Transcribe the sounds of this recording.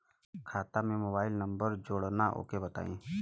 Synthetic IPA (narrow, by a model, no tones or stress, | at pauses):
kʰaːt̪amẽmoːbaːɪlnə̃mbəɾd͡ʒoːɽnaʔo̰ːkebət̪a̰ːḭ̃ː